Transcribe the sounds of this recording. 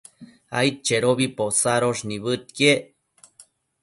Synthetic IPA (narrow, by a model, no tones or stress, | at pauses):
a̰jt̪̚t͡ʃeɾoβiposaɾoʐniβɨt̪̚ke